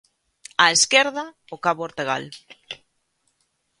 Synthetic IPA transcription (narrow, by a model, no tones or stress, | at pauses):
aeskeɾða | okaβooɾt̪eɣa̰l